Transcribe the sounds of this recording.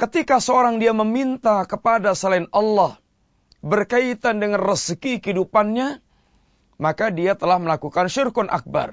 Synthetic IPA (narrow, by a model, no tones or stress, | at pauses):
kət̪ikasəoɾaŋdiaməmint̪akəpadasəlainɑlːɔh | bərkait̪andəŋanrəskikəidupanɲa | makadiat̪əlahməlakukanʃirkʊnʔa̰k̚ba̰r